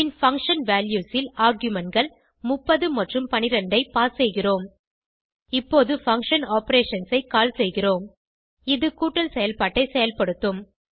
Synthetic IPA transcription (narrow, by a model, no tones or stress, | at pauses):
ɪnfɐŋkʂɐnʋaːljuːsɪlaːɾɡjʊmɐnɡɐɭ | mʊpːɐðɯmɐʈrɯmpɐnɪɾɐɳɖɐɪpaːɾsɛjɣɪroːm | ɪpːoːðɯfɐŋkʂɐnaːpɐɾeːʂɐnsɐɪkaːlsɛjɣɪoːm | ɪðɯkuːʈːɐlsɛjɐlpaːʈːɐɪsɛjɐlpɐɽɯt̪ːɯm